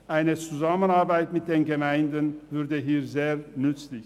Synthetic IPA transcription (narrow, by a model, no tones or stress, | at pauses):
ʔaɪnət͡suzamənaʁbaɪtmɪt̚d̥eːnɡəmaɪndənvʏʁdəɦiːʁzeːʁnʏt͡slɪç